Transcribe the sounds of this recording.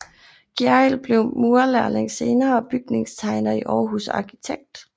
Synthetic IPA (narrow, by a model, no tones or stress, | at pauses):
ɡ̥æelb̥le̝ʊmuɐlæɐleŋse̝ːnɐːɒb̥yɡ̥ne̝ŋst͡sʰɑ̈ɪnɐiʔɒːɦusɑ̈kʰit͡sʰeɡ̥̚d̥